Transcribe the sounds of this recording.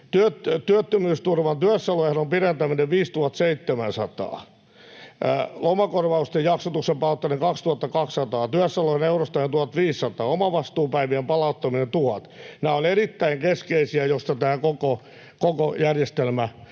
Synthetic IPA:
t̪yøtt̪yøt̪ːømyːst̪urʋɑnt̪yæsːɑlojɑhænompirent̪æmineʋʋiːst̪uhɑt̪seit̪ːemænsɑt̪ɑ̰ː | lomɑkorʋɑust̪ejɑksot̪uksempɑut̪ːɑneŋkɑkst̪uhɑt̪ːɑkɑkssɑt̪ɑːt̪yæsːɑlojhɑneurost̪ɑjent̪uhɑt̪ʋiːsːɑt̪ɑːomɑʋɑst̪uːpæiʋiempɑlɑut̪ːɑminent̪uhɑt̪næːolerit̪ːæiŋkeskeisiæjost̪ɑt̪æːkoko | kokojærjest̪elmæ

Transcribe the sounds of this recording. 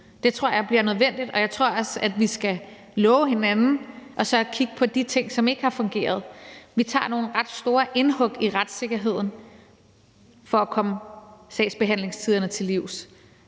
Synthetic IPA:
d̥e̝t͡sʰʁo̝ɐ̰jɑ̈ɪb̥liɐnøð̞ˠʋen̰d̥id̥ɒ̽jɑ̈ɪt͡sʰʁo̝ɐ̰ɒ̽sæd̥ʋisɡ̥æ | lɔːʊəhe̝nænn̩ʔɒ̽sɒ̽kʰiɡ̥̚pʰɒ̽d̥it͡sʰe̝ŋ̰sɒ̽me̝ɡ̥əhɑ̈fɔ̽ŋɡ̥e̝̰ːɐð̞ˠʋit͡sʰɑ̰̈ːno̝ːn̩ʁɑ̈d̥sd̥o̝ːɐʔe̝nhɔ̽ɡ̥iʁad̥se̝ɡ̥ɐɦe̝ð̞̰ˠn̩ | fɒ̽ækʰɒ̽məsɛ̰ɪsb̥e̝ɦæn̰le̝ŋst͡sʰið̞ˠɐnət͡sʰe̝liʊ̰s

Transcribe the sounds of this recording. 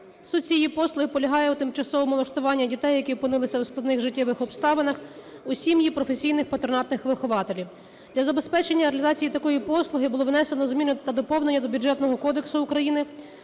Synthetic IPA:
sut̪̚t͡sʲijipɔslˠʊɦɪpɔlʲɐɦɑjɛut̪ɪmt͡ʃɐsɔʋɔmʊlˠɐʃt̪ʊʋɑnʲːɐdʲit̪ɛjːɐkiɔpɪnɪlˠɪsʲɐwsklˠɐd̪nɪxʐɪtʲːɛʋɪxɔpst̪ɑʋenɐxʊsʲimjipɾɔfesʲijnɪxpɐt̪ɾɔnɑt̪nɪxʋɪxʊʋɑt̪elʲiw | d̪̥lʲɐzɐbe̞spɛt͡ʃenʲːɐɾeɐlʲizɑt͡sʲijit̪ɐkɔjipɔslˠʊɦɪbʊlˠɔʋnɛsenɔzmʲinɪt̪ɐd̪ɔpɔwnenʲːɐd̪ɔbʲud͡ʒɛt̪nɔɦɔkɔd̪eksʊːkɾɐjinɪ

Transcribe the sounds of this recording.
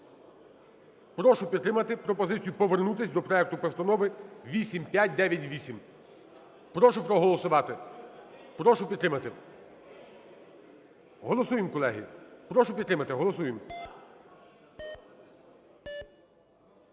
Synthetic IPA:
pɾɔʃʊpʲit̪t̪ːɾɪmɐt̪ɪpɾɔpɔzɪt͡sʲijʊpɔʋernut̪ɪsʲd̪ɔpɾɔɛk̚t̪ʊpɔst̪ɐnɔʋɪʋʲisʲimpʲjatʲd̪ɛʋʲjɐtʲʋʲisʲim | pɾɔʃʊpɾɔɦɔlˠɔsʊʋɑt̪ɪ | pɾɔʃʊpʲidt̪t̪ːɾɪmɐt̪ɪ | ɦɔlˠɔsujɪmkɔlˠɛɦʲḭpɾɔʃʊpʲid̪t̪ɾɪmɐt̪ɪɦɔlˠɔsujem

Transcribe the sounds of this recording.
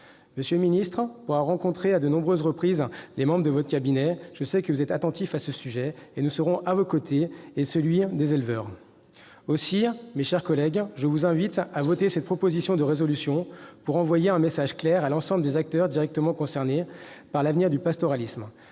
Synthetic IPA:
məsjølminist̪χpuʁaʁɑ̃kɔ̃t̪χead̪ənɔ̃bʁøzʁəpχizlemɑ̃bʁəd̪əvɔt̪χəkʲabinɛʒ̥əsɛkəvuzɛt̪at̪ɑ̃t̪ifasəsyʒɛenusəʁɔ̃ʔavokot̪ʰeːsəlɥid̪ezelvœːʁ | osimeʃɛʁkɔlɛɡʒəvuzɛ̃vit̪avɔt̪esɛt̪̚pχɔpozisjɔ̃d̪əʁezɔlysjɔ̃puʁɑ̃vwajeɛ̃mesaʒklɛʁalɑ̃sɑ̃bləd̪ezak̚t̪œʁd̪iʁɛk̚t̪əmɑ̃kɔ̃sɛʁnepaʁlavniʁd̪ypast̪ɔʁalism

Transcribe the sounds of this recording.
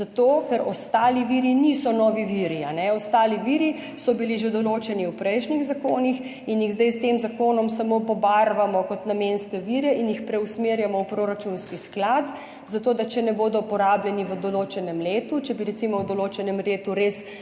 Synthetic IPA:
zat̪oːkɛɾɔst̪aːliʋiɾinisɔnɔːʋiʋiɾianɛɔst̪aːliʋiɾi | sɔbiliʒed̪ɔloːt͡ʃɛniwpɾɛjʃniɣzakoːnix | injiɣzd̪ɛjst̪emzakoːnɔmsamopɔbaɾʋamɔkɔt̪namenskɛʋiɾɛinjixpɾɛusmeːɾjamɔwpɾoːɾat͡ʃunskisklat̪ | zat̪oːd̪at͡ʃɛnɛboːd̪ɔpɔɾaːbljɛniʋəd̪ɔloːt͡ʃɛnɛmleːt̪ut͡ʃɛbiɾɛt̪simɔwd̪ɔloːt͡ʃɛnɛmɾeːt̪uɾes

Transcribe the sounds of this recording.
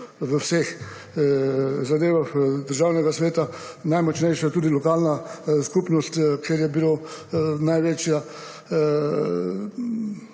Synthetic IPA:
ʋəwsex | zad̪eːʋaxd̪əɾʒaːwnɛɡasʋeːt̪a | najmɔt͡ʃnɛjʃjat̪uːd̪ilɔkaːlnaskupnɔst̪kʰeɾjɛbilonajʋeːt͡ʃja

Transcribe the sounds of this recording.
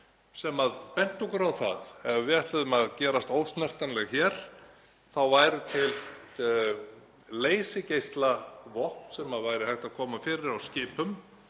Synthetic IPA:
sɛmaðpɛn̥t̪ɔkʏɾawθa̰ðɛvvɪɛt̪ɪðʏmaðcɛːɾast̪oːwst̪nɛr̥t̪anlɛɣçɛːɾ̥ | θawvaːjɾʏt̪ʰɪl | leːjsɪcejst̪lavɔhpnsɛmaðvaːjɾɪhajht̪aðkʰɔːmafɪːɾɪɾawscɪːpʏm

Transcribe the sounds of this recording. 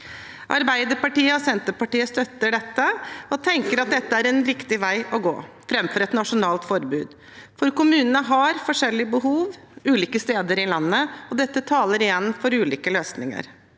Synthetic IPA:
ʔɑ̰ɾbæɪd̪əɾpɑʈiːəɔsɛnt̪əpɑʈiːəst̪œt̪ːəɖɛt̪ːəɔt̪ʰɛŋkəɾɑt̪̚d̪ɛt̪ːəæɾɛnɾɪkt̪ɪʋæɪʔɔɡo̰ː | fɾɛmfɔɾɛt̪nɑʂʊnɑːlt̪fɔɾbʉːd̪ | fɔɾkʊmʉːnənəɦɑɾfɔʂɛlːɪəbəɦuːʋ | ʉːliːkəst̪eːd̪əɾɪlɑnːəɔd̪ɛt̪ːət̪ʰɑːləɾɪjɛnːfɔɾʉːliːkəløːsnɪ̰ŋə̰ɾ

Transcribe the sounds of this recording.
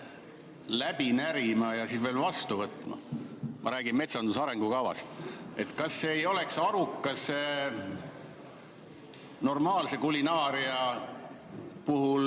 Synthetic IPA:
læb̥inæɾimɑjɑsid̪ve̞ːlvɑst̪uvɤt̪ːˑmɑ̰mɑɾæːɡinme̞t̪sɑnd̪usɑɾe̞ŋɡ̥ukɑwvɑ̰st̪e̞t̪kɑsːeːjo̞le̞ksɑɾukːˑɑse | no̞rmɑːlse̞kulinɑːɾiɑ | puɦul

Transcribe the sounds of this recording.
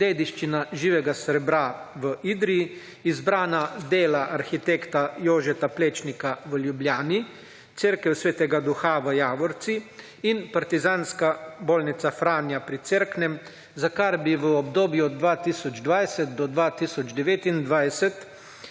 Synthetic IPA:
d̪eːd̪iʃt͡ʃinaʒiːʋɛɡasəɾɛbɾaʋəʔiːd̪ɾiji | izbɾaːnad̪eːlaʔaɾxit̪ekt̪ajoːʒɛt̪apleːt͡ʃnikaʋəljubljaːni | t̪seɾkɛwsʋeːt̪ɛɡad̪uxaʋəjaːʋɔɾt̪si | inpaɾt̪izaːnskaboːlnit̪safɾaːnjapɾit̪seɾknɛm | zakaɾbiʋəɔbd̪oːbjuɔd̪̚d̪ʋaːt̪iːsɔd͡ʒd̪ʋajsɛt̪̚d̪ɔd̪ʋat̪iːsɔd͡ʒd̪ɛʋeːt̪ind̪ʋajsɛt̪

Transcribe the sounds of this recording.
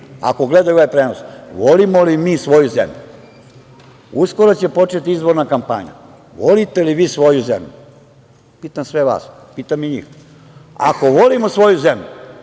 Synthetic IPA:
a̰ko̞ɡled̪ajuoʋajpɾeːnosʋolimolimiːsʋo̞juzḛmʎu | usko̞ɾot͡ɕe̞po̞t͡ʃet̪iizbo̞ɾnakampa̰ɲa̰ | ʋo̞lit̪e̞liʋiːsʋo̞juzḛmʎṵ | piːt̪amsʋeʋa̰ːs | piːt̪amiɲḭːx | a̰ko̞ʋo̞limo̞sʋo̞juze̞mʎu

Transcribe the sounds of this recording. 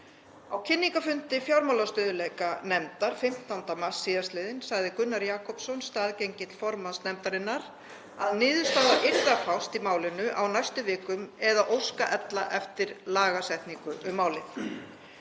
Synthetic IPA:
awcʰɪnːiŋkafʏnt̪ɪfjawɾmawlast̪ʏːðʏlɛkanɛmt̪aɾ̥fɪm̥t̪awnt̪amasːiːðast̪lɪːðɪnsaɣðɪkʏnːaɾjaːkʰɔpsɔnst̪aːðcejɲcɪt̪l̥fɔɾmansnɛmt̪aɾɪnːaɾ | aðnɪːðʏ̥st̪aːɣðaʔeɾðafawst̪imaːwlɪnʏʔawnajst̪ʏvɪːkʏmɛðaʔowskaʔɛt̪laʔɛft̪ɪɾlaːɣasɛht̪niŋkʏʔʏmːaːwlɪθ

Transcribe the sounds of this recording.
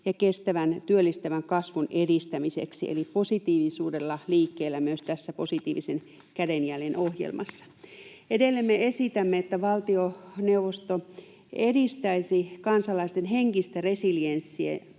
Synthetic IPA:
jɑkest̪æʋænt̪yølːist̪æʋæŋkɑsʋunedist̪æmisḛksḭḛliposit̪iːʋisuːdelːɑliːkːeːlːæmyøst̪æsːæposit̪iːʋisen | kædenjælenohjḛlmɑ̰sːɑ̥ | edelːemːeesit̪æmːeet̪ːæʋɑlt̪ioneuʋost̪o | edist̪æisikɑnsɑlɑist̪enɦeŋkist̪æresiljensːiḛ

